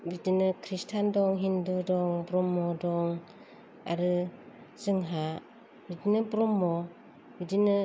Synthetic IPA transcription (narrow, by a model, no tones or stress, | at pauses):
bidinɯkʰɾistʰandɔŋɦindudɔŋbɾɔmːɔdɔŋ | a̰ɾɯ | zɯŋɦa | bidinɯbɾɔmːɔ | bidinɯ